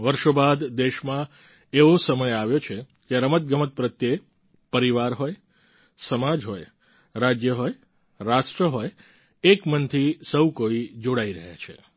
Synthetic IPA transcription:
ʋəɾʃobad̪d̪eʃmã | eʋosəməjaʋjot͡ʃʰe | keəɾəmət̪̚ɡəmət̪̚pɾət̪je | pəɾiʋaɾɦoj | səmad͡ʒɦoj | ɾad͡ʒjəɦoj | ɾasʈɾəɦoj | ekmənt̪ʰisəwkoid͡ʒoɽaiɾə̰ɦja̰t͡ʃʰḛ

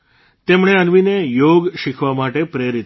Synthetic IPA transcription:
t̪emɳ̃eənʋinejoɡʃikʰʋamaʈepɾeɾit̪

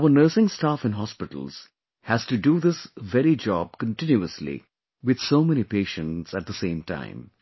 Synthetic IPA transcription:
aʊənəːsɪ̃ŋstaːfɨ̃nɦɑspɪʈə̰l̩ˠz̥ | hæz̥tɨɖuðɪsʋɛɾid͡ʒɔb̚kə̃ntɪ̃njuəslḭ | ʋɪd̪̥soʊmɛnipeːʃə̃ntsæt̚d̪əsẽɪ̃mtʰã̰ɪ̃m

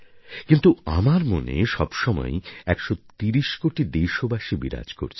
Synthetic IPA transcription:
kint̪ua̰maɾmonḛʃɔbʃɔmɔ̰eɛkʃot̪iɾiʃkoʈid̪ejʃobaʃibiɾa̰d͡ʑko̰ɾt͡ɕʰ

